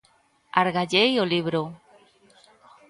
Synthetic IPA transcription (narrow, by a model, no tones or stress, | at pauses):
aɾɣaʎejoliβɾo